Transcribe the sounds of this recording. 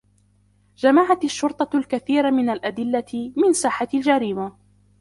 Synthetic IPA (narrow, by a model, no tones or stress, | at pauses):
d͡ʒamaʕat̪aʃːʊɾt̪ˤɑlkaθiːɾmɪnalʔad̪ɪlːamɪnsaːħald͡ʒaɾiːma